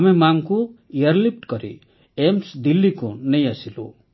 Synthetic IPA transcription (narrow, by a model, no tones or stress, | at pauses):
amemaŋkuijaɾlip̚ʈkɔɾḭ | emsd̪ilːikunejasilṵ